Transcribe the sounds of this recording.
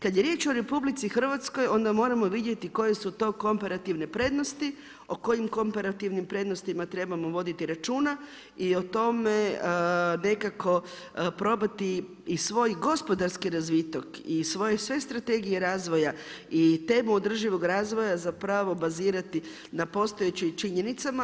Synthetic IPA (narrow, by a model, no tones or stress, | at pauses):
kad̪jeɾje̞ːt͡ʃo̞ɾe̞publit̪sixr̩ʋat̪sko̞jo̞nd̪amo̞ːɾamo̞ʋid̪je̞t̪iko̞je̞sut̪o̞ːko̞mpeɾat̪iʋne̞pɾe̞d̪no̞st̪i | o̞ko̞jimko̞mpaɾat̪iʋnimpɾe̞d̪no̞st̪imat̪ɾe̞bamo̞ʋo̞d̪it̪iɾat͡ʃuːna | io̞t̪o̞me̞ | ne̞kako̞ | pɾo̞bat̪iː | sʋo̞jɡo̞spo̞d̪aɾskiɾazʋit̪okisʋo̞jesʋe̞st̪ɾat̪e̞ɡijeɾaːzʋo̞jait̪e̞ːmuod̪r̩ʒiʋo̞ɡɾaːzʋo̞jazapɾaʋo̞baziːɾat̪i | napo̞st̪ojet͡ɕimt͡ʃiɲe̞nit̪sama